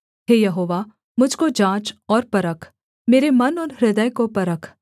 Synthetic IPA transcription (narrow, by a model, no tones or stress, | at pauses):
ɦeːjɐɦoːʋa | mʊd͡ʒʱkod͡ʒãːt͡ʃɔːɾpɐɾəkʰ | meːɾemɐnɔːɾɾɪd̪əjkopɐɾəkʰ